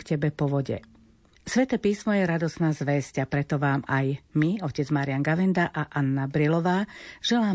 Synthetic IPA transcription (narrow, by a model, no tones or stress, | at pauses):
kcɛbɛpɔʋɔɟɛ̰ | sʋɛt̪ɛːpiːsmɔjɛɾad̪ɔsnaːzʋɛscapɾɛt̪ɔʋaːmajmiɔcɛd͡zmaːɾianɡaʋɛnd̪aʔaʔanːabɾilɔʋaːʒ̥ɛlaː